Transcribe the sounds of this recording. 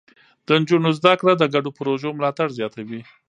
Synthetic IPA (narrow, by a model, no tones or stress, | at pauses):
d̪̥ənd͡ʒunozd̪akɽad̪əɡaɖopɾoʒomlɑt̪aɽzjɑt̪awi